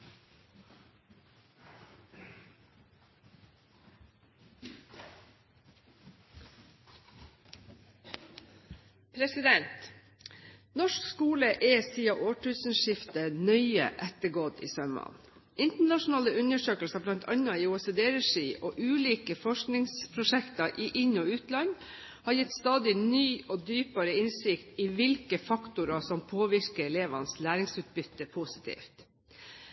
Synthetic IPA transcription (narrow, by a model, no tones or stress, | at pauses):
pʰɾɛsɪd̪ɛnt̪ | nɔʃkskuːləʔeːsiːɑʔoːʈʰʉːsn̩ʃɪft̪ənœʏə̰ʔɛt̪əɡoːd̪ḭːsœmɑ̰n | ʔɪnt̪əɳɑʂʊnɑːləʉnəʂøːkəlsɑblɑnt̪ʰɑɲɑɪːʊɛseːd̪eːɾɛʂiːʔɔːʔʉːliːkəfɔʂknɪŋspʰɾʊʂɛkt̪ɑʔiːʔɪɲɔʉːt̪lɑn | hɑɾjɪt̪ːst̪ɑːd̪ɪnyːʔɔːd̪yːpɑɾəɪnsɪkt̪iʋɪlkəfɑkt̪ʊɾɑsɔmpʰoːʋɪɾkəɾɛleːʋɑ̰nslæːɾɪŋsʉːt̪̚bʏt̪ːəpʰusɪ̥t̪ʰḭːft̪